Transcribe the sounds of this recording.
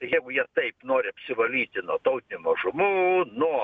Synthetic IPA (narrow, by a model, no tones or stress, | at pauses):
ɪjɛɪɡʊjiɛt̪ɐɪpnoːɾʲɪɐpʲsʲɪʋɐlʲiːt̪ʲɪnuɔt̪ɐʊt̪ʲɪnʲʊmɐʒʊmunuɔ